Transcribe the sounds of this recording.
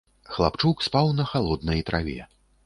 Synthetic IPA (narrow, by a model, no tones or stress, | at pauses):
xlˠa̰pt͡ʂukspawnɐxalˠɔd̪nɐjt̪ɾʔavʲɛ̰